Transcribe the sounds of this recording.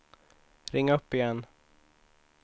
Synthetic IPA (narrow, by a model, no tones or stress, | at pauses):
ɾɪŋːaɵpːɪjɛnː